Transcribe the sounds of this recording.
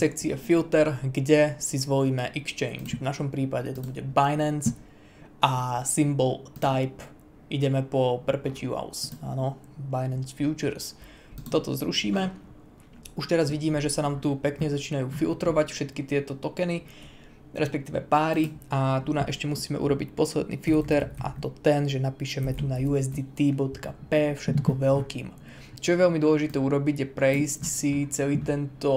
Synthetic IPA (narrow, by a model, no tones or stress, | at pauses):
sɛkt͡siɛfilt̪ɛɾɡɟɛsizʋɔliːmɛʔɛkst͡ʃɛ̰ɪnt͡ʃvnaʃɔmpɾiːpaɟɛt̪ubuɟɛbajnɛns | ʔasimbɔlt̪ajp | ʔiɟɛmɛpɔpr̩pɛcɪua̰ʊsa̰ːnɔ | bajnɛnsfjuːt͡ʃəɾs | t̪ɔt̪ɔ̰zɾuʃiːmɛ | uʃt̪ɛɾazʋiɟiːmɛʒɛsanaːmt̪upɛkɲɛzat͡ʃiːnajuːfḭlt̪ɾɔʋacfʃɛt̪kit̪ɪɛt̪ɔt̪ɔkɛni | ɾɛspɛkt̪iːʋɛ̰paːɾiat̪una̰mʔɛʃcɛmusiːmɛ̰ʔṵɾɔbicpɔslɛ̰d̪nḭːfilt̪ɛɾʔa̰t̪ɔt̪ɛnʒɛnapiːʃɛmɛt̪unajuɛzd̪it̪ibɔt̪kapɛːfʃɛt̪kɔʋɛlkiːm | t͡ʃɔjɛʋɛlmid̪ʊɔlɛʒit̪ɛːuɾɔbiɟjɛpɾɛiscsit͡sɛliːt̪ɛnt̪ɔ